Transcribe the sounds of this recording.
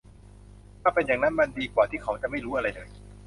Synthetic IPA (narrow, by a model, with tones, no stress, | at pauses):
t̪ʰaː˥˩pe˧njaː˨˩ŋna˦˥nma˧ndiː˧kwaː˨˩t̪ʰiː˥˩kʰa˩˦wt͡ɕa˨˩ʔma˥˩jɾuː˦˥ʔa˧ɾa˧jlɤː˧j